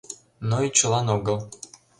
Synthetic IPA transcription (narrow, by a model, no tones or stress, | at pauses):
noit͡ɕə̆lˠɑnoɣɤlˠ